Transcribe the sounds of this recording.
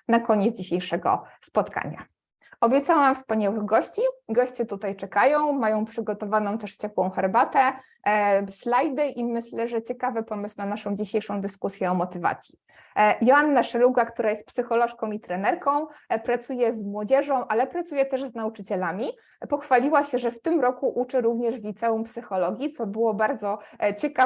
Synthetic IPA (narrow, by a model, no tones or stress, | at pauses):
nakɔɲɛt̪zd͡ʑiɕejʂɛɡɔ̰spɔt̪ka̰ɲa̰ | ɔbʲjɛt̪sawamfspaɲawɘɣɡɔɕt͡ɕiɡɔɕt͡ɕɛt̪ut̪ajt͡ʂɛkajɔ̃w̃majɔ̃w̃pʂɘɡɔt̪ɔvanɔ̃w̃t̪ɛʂt͡ɕɛpwɔ̃w̃xɛɾbat̪ɛ | slajd̪ɘʔimɘɕlɛʐɛt͡ɕɛkavɘpɔmɘsnanaʂɔ̃w̃d͡ʑiɕejʂɔ̃w̃d̪ɘskusʲjɛɔmɔt̪ɘva̰t̪sʲji | jɔanːaʂɛluɡakt̪uɾajɛst̪psɘxɔlɔʂkɔ̃w̃it̪ɾɛnɛɾkɔ̃w̃pɾat̪sujɛzmwɔd͡ʑɛʐɔ̃w̃ʔalɛpɾat̪sujɛt̪ɛʐznaut͡ʂɘt͡ɕɛlamʲi | pɔxfalʲiwaɕɛʐɛft̪ɘmɾɔkuʔut͡ʂɘɾuvɲɛʐvʲit̪sɛumpsɘxɔlɔɡʲit̪sɔbɘwɔbaɾd̪zɔt͡ɕɛka